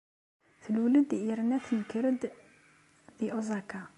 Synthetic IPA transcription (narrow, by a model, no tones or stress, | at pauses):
θəlwləd̪ʔiɾnæθənkəɾəd̪ | d̪iʔozˤɑka